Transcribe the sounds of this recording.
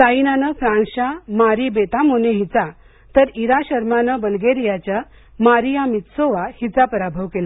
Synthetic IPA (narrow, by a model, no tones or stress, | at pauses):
sainanəfɾãnɕamaɾibet̪amoneɦit͡sa | t̪əɾiɾaɕəɾmanəbəlɡeɾijat͡ɕja | maɾijamit̪soʋahit͡sapəɾabʱəʋkela